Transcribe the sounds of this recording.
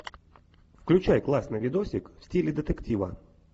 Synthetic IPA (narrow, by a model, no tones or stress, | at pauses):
fklʲʉt͡ɕajklˠasʲnəvʲɪd̪osʲɪkfsʲtʲilʲɪd̪ət̪ɛktʲivə̰